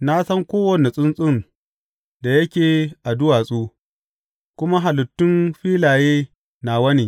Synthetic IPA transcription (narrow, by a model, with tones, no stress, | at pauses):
na˦sɐ˦ŋkʷoː˦wɐ˨ni˨sʼɪ˦nsʼʊ˦n | da˨jɐ˦kʲeː˨ʔa˨dʊ˦waː˨sʼuː˦ | kʷʊ˦ma˦ɦa˨lʊ˨tːʊ˦nɸiː˦laː˨jeː˦ | na˨wɐ˦niː˨